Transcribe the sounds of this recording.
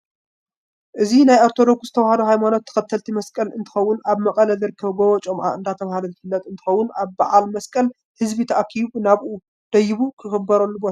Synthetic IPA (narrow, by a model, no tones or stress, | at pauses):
ʔɨzinajaɾt̪ʰod̪o̞ɡz̥ɨt̪ʰɐwhad̪uhajmano̞t̪ʰːɐ̥xɐt̪ʰːɐlt̪ʰimɐskʼɐlɨnt̪ʰɨ̥xɐwːʊnaβmɐkʼɐlɐzɨɾɨkʰːɐβubɐwɔt͡ʃʼomʕa̰ɨnd̪at̪ʰɐβhalɐɪfɨlːɐt̪ʼɨnt̪ʰɨxɐwːʊnaβbaʕalmɐskʼɐl | hɨzbit̪ʰɐʔakʰiβnaβʔu | d̪̥ɐjɪβukʰɨxɨbːɐɾɐlːubot̪ʰa